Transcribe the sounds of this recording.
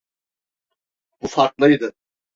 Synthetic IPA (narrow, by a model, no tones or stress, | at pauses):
b̥ufaɾklˠɯjd̪ɯ